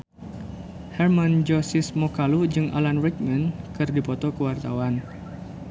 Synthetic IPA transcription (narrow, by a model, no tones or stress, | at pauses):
hɛrmand͡ʒɔsɪsmɔkalud͡ʒɨŋʔa̰lanrɛk̚mənkɨrdipɔt̪ɔkəwart̪awan